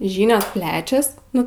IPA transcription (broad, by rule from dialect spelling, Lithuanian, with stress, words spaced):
ˈʒʲiːnʲoːs ˈpʲlʲæːt͡ʃʲɛs ˈnʊ